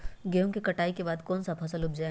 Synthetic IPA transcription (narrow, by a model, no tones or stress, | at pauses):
ɡeõŋkikɐʈaːikebaːd̪kɔːnsɐpʰɐsəlʊbd͡ʒa